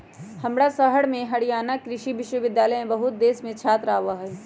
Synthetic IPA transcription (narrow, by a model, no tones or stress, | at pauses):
hɐmɽasəɦəɽmẽɦɐɽijaːnakɾɪʃiʋɪʃwəʋɪd̪jaːləjmẽbəɦʊt̪̚d̪eːsmẽt͡ʃʰaːt̪ɾaːʋaɦɛː